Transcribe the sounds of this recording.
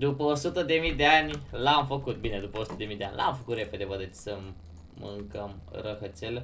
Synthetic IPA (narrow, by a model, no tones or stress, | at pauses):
d̪upəsut̪əd̪emid̪ʲanilamfəkut̪̚binad̪upəsut̪̚d̪emid̪ʲanlʔa̰mfəkuɾepʰəd̪ebad̪əti̥t͡səmː | ə̰ŋkəmɾəɦət͡sel